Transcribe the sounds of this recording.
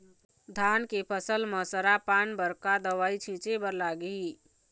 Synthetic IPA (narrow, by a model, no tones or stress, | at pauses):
d̪ʱaːnkepʰəsəlməsəɾapaːnbəɾkad̪əʋaːit͡ʃʰĩːt͡ʃebəɾlaːɡii